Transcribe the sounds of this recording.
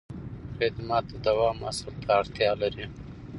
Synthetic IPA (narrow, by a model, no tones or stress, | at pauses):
xed̪mɑt̪̚d̪əd̪awɑma̰salt̪ʰaːɽt̪jɑlaɾi